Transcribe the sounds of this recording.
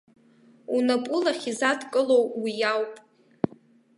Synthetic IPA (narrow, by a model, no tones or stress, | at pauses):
unapʼʊlaχʲizatʰkʼɨlo̞wwijawpʼ